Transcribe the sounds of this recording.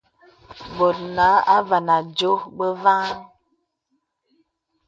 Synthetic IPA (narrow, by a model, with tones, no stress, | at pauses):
bo˨t̚na˨˦a˦va˨na˨d͡ʒo˦bə˦va˦n